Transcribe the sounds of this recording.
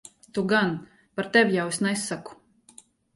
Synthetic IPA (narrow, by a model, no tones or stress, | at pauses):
t̪uɡan | paɾt̪ɛwjawesnajsːaku̥